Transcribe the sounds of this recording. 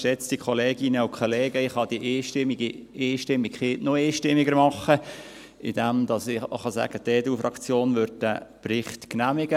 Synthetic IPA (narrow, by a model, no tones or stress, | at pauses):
ʃɛt͡sd̥ikʰɔleːɡɪnəʊkʰχoleːɡəɪχɑd̥iʔeːʃtɪmiɡieːʃtɪmːikχɪːtnoeːʃtɪmɪɡəɾmɑχə | ɪd̥ɛmd̥̪ɑsɪχɑsæ̰ɡ̥ət̪eːdufrʔɑkt͡sjoːnʋøɾd̚dæprɪχtknæmɪɡ̥ə